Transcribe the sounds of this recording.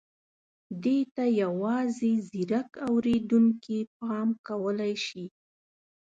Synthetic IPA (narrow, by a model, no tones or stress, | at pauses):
d̪et̪ajawɑzeziɾakawɾed̪uŋkipɑmkawəlajʃi